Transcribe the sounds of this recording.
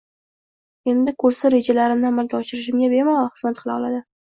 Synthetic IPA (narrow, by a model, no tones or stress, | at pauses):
e̞nd̪ɪkʰɵɾsaɾe̞d͡ʒalaɾɪmnɪamalɡʲaɒʃɪɾɪʃ̬ɪmɡʲabe̞ɾmawχɨzmat̪̚qʰɨlaɒlˠad̪ɪ